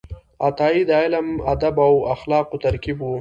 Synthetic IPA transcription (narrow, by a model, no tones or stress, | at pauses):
at̪ɑid̪aɪlamad̪abawaxlɑːqot̪aɾkibwu